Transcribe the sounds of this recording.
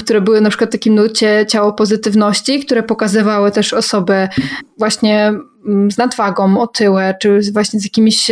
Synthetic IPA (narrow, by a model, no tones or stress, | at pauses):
kt̪uɾɛbɘwɘnapʂɘ̥kwat̪ːakʲimnlt͡ɕɛt͡ɕawɔpɔzɘt̪ɘvnɔɕt͡ɕikt̪uɾɛpɔkazɘvawɘt̪ɛʂɔsɔbɛvwaɕɲɛ | znad̪vaɡɔmɔt̪ʰɘwɛt͡ʂɘzvwaɕɲɛzjakʲimʲiɕ